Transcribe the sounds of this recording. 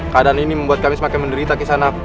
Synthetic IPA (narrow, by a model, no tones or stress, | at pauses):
kadaniniməmbuat̪̚kamɪsəmakajməndəɾit̪akisana